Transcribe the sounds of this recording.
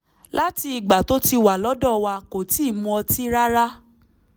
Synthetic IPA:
la˦ti˧i˨ɡ͡ba˨to˦ti˧wa˨lɔ˨˦dɔ˦˨wa˧ko˨ti˦˨mũ˧ɔ˧ti˦ɾa˦ɾa˦

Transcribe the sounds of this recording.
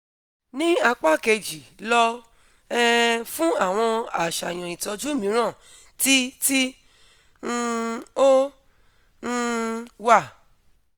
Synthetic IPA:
nĩ˦a˧k͡pa˦˨ke˧˨d͡ʒi˨lɔ˧ | ɛ˦fũ˦a˦˨w̃ɔ̃˧a˨ʃa˨j̃ɔ̃˨ĩ˨tɔ˧d͡ʒu˦˨mĩ˨˦ɾ̃ã˦˨ | ti˦ti˦ | o˦˧ | wa˦˨

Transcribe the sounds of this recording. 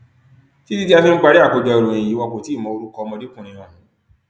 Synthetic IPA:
ti˦di˦ti˦a˧fĩ˧ŋ͡m̩˦k͡pa˧ɾi˦a˦˨ko˨d͡ʒɔ˧i˨ɾõ˨ĩ˨ji˨˦wa˧ko˨ti˨˦˨mɔ̃˨˧o˧ɾu˦kɔ˧mɔ̃˧di˦kũ˦˨ɾĩ˧˦ã˨ũ˨˦

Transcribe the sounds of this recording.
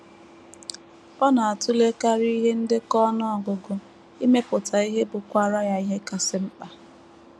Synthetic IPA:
ɔ˦na˨a˨tʊ˦le˦ka˦ɾi˦ɦe˦n̩˦dɪ˦kɔ˦nɔ˦ɔ˨ɡʊ˨ɡʊ˨ | i˦me˦pʊ˨tʰa˨i˦ɦe˦bʊ˨kʷa˦ɾa˦ja˦i˦ɦe˦ka˨sɪ˦m̩˦k͡pa˦

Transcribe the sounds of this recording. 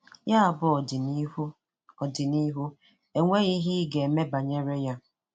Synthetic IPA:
ja˦a˨bʊ˦˨˦ | ɔ˨dɪ˨ni˦ɦu˦ | e˦ŋʷe˦ɣi˦ɦɪ˦ɡe˨me˦ba˨ɲe˦ɾe˦ja˦

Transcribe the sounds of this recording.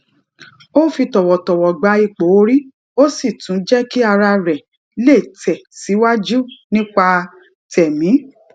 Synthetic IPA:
o˦˨fi˧tɔ˨wɔ˨tɔ˨wɔ˨ɡ͡ba˧i˨˧k͡po˨˦o˧ɾi˦ | o˦si˦˨tũ˨˦d͡ʒɛ˦ki˦a˧ɾa˧ɾɛ˨ | le˦˨tʰɛ˨si˨˦wa˦d͡ʒu˦nĩ˦k͡pa˧ | tɛ˨mĩ˨˦

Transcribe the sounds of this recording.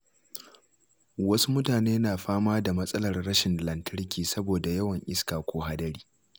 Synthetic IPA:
wɐ˦su˦mʊ˦taː˨neː˦naː˨ɸaː˦maː˦da˨mɐ˦sʼɐ˦lɐ˨rɽɐ˦ʃɪ˨nlɐ˨ntʰɐ˦ɾkʲiː˨sɐ˦boː˨da˨jɐ˦wɐ˨ŋʔɪ˦skaː˨kʷoː˦ɦa˦dɐ˦ɾiː˦

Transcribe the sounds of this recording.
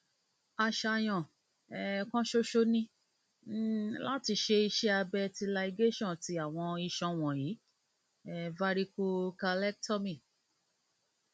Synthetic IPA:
a˧ʃa˧j̃ɔ̃˨ | ɛ˨kɔ̃˦ʃo˦ʃo˦nĩ˦ | la˦ti˧ʃe˧i˧ʃɛ˦a˧bɛ˧ti˧la˧i˧ɡe˦ʃɔ̃˦˨ti˨˧a˦˨w̃ɔ̃˧i˧ʃɔ̃˧w̃ɔ̃˨ji˨˦ | ɛ˨va˧˦ɾi˧ko˦ka˧lɛ˦k̚tɔ˦mĩ˦˨

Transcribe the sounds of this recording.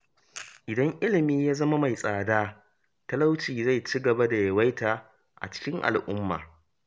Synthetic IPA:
ʔɪ˨dɐ˦ŋʔɪ˦lɪ˨miː˦jaː˦zɐ˦ma˦ma˨jsʼaː˨daː˦ | tɐ˦la˦wt͡ʃiː˨za˦˨jt͡ʃiː˦ɡɐ˨ba˦da˨jɐ˨wa˦jtaː˨ | ʔa̰˨t͡ʃɪ̥˦kʲɪ˦ŋʔa̰˨lʔʊ˦mːa̰ː˨

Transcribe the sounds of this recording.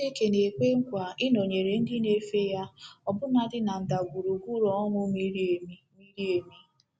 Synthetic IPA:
e˦ke˨ne˨ke˦ŋ̩˦kʷa˨ɪ˦no˨ɲe˨ɾe˨n̩˦dɪ˦ne˦fe˦ja˦ɔ˨bʊ˦na˦dɪ˦na˨n̩˨da˨ɡʷu˨ɾu˨ɡʷu˦ɾɔ˨ɔ˦ŋʷʊ˦mi˦ɾmi˦mi˦ɾi˦e˨mi˦

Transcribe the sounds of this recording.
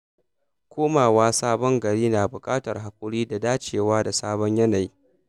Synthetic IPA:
kʷʰoː˦maː˨waː˦saː˦bɔ˦ŋɡɐ˨ɽiː˦naː˨bʊ˨kʼaː˦tɐ˨rɦa˨kʷʼʊ˦ɽiː˦da˨daː˦t͡ʃeː˨waː˦da˨saː˦bɔ˦ɲjɐ˦na˨jiː˦

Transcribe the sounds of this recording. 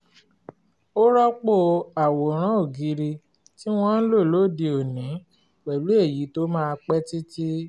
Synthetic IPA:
o˦ɾɔ˦k͡po˦˧a˨wo˨ɾ̃ã˦o˦˨ɡi˨˧ɾi˧ | ti˦w̃ɔ̃˦n̩˦lo˦˨lo˦˨de˧o˨nĩ˨˦ | wɛ˨lu˨˦e˦˨ji˨˦to˦mãː˦˧k͡pɛ˦ti˦ti˦

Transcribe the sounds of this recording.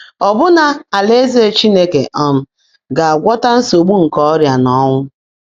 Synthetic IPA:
ɔ˨bʊ˦na˨a˨le˦ze˦e˦t͡ʃi˦ne˦ke˨ʔɔ˨m̩˨ | ɡa˨a˨ɡʷɔ˦ta˦n̩˦so˨ɡ͡bu˦ŋ̩˨kɔ˦ɔ˦ɾja˨nɔ˦ŋʷʊ˦

